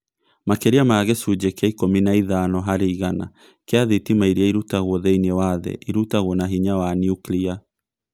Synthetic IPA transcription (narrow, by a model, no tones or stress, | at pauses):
makɛɾiamaɣɛsud͡ʒɛkeaikominaiðanɔɦaɾeiɣana | keaðitimaiɾiaiɾutaɣwɔðɛiniɛwaðɛ̰ʔiɾutaɣwɔnaɦiɲawanjuklia